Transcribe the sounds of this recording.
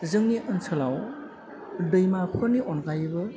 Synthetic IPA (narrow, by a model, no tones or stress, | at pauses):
zɯŋniʔənsʰɯlaw | dɯjmapʰɯniʔɔnkajbɯ